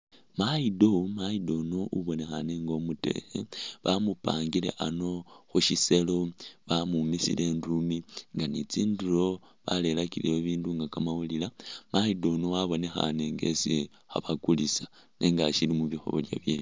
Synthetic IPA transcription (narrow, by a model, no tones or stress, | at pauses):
maido̞maido̞noʔuβo̞ne̞xaneŋɡo̞mute̞̰xḛβamupa̰ːŋɡile̞̰ʔano̞xuʃise̞lo̞βamumisḭlʔe̞ndumiŋɡanit͡siːnduɾo̞ | βale̞lakilejoβiːnduŋɡakamawulilamaido̞nowaβo̞ne̞xa̰ne̞ŋɡe̞̰si | xaβakulisḁ | nʔe̞ŋɡaʃilimuβixo̞̰βo̞̰lja̰βjeli